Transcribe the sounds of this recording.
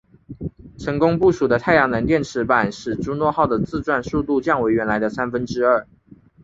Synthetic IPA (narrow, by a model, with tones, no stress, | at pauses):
ʈ͡ʂʰə˧˥ŋkʊ˥ŋpu˥˩ʂu˨˩d̪ə˦t̪ʰa˥˩ɪjɑ˧˥ŋnə˧˥nt̪jɛ˥˩nʈ͡ʂʰɻ̩˧˥pa˨˩nʂɻ̩˨˩ʈ͡ʂu˥nwɔ˥˧xɑ˥˩ʊd̪ə˩t͡sɹ̩˥˧ʈ͡ʂwa˥˧nsu˥˧t̪u˥˧t͡ɕjɑ˥˩ŋwe˧˥ɪɥɛ˧˥nla˧˥ɪd̪ə˧sa˥nfə˥nʈ͡ʂɻ̩˥ə˥˩